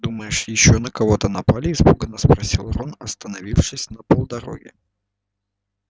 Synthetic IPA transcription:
d̪uməjɪʂjɪɕːonəkɐvo̞t̪ənɐpalʲɪːspuɡənːəspɾɐsʲilˠronɐst̪ənɐvʲifʂɨsʲnəpolˠd̪ɐɾo̞̰ɡʲɪ̰

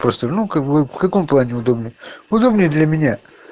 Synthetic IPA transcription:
pɾost̪ənukvfkɐko̞mplˠanʲɪʊd̪o̞bnʲɪjʊd̪o̞bnʲɪjəd̪lʲɐmʲɪnʲa

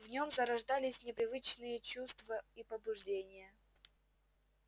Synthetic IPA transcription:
vnʲo̞mzəɾɐʐd̪alʲɪsʲnʲɪpɾʲɪvɨt͡ɕnɨjət͡ɕust̪vəipəbʊʐdʲenʲɪjə

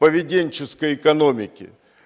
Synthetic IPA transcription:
pəvʲɪdʲenʲt͡ɕɪskəjɪkɐno̞mʲɪkʲɪ̰

